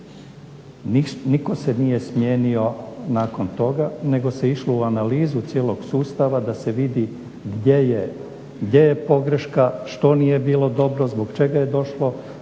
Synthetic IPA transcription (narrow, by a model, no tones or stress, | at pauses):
niko̞se̞nije̞smje̞ːnio̞naːko̞nt̪o̞ɡane̞ɡo̞se̞iʃlo̞uanaliːzut̪sjeːlˠo̞ɡsuːst̪aʋad̪ase̞ʋid̪i | ɡdeje | ɡd̪ʲje̞jepo̞ɡɾeʃkaʃt̪o̞nije̞biːlˠo̞d̪o̞bɾo̞zboɡt͡ʃe̞ɡaje̞d̪o̞ʃlo̞